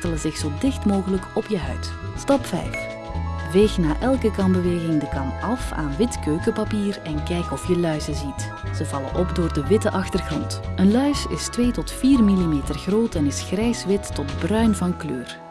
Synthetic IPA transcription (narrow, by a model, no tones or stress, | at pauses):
tələzɪxsoːdɪxtmoːɣələkɔpjəɦœ̰ɥt | stɑpfɛ̰jf | ʋejxnaːʔɛlˠkəkɑnbəʋeːɣɪŋdəkɑnɑfa̰ːnʋɪtkøːkəpapiːrɛnkɛjkɔfjəlœɥzəzit | z̥əvɑlə̰ʔɔpdoːrdəʋɪtəʔɑxtərɣrɔntənlœɥsɪ̰stʋeːtɔtfiːrmilimeːtərɣroːtɛnɪsxrɛjsʋɪtːɔtbrœɥnvɑnklø̰ːr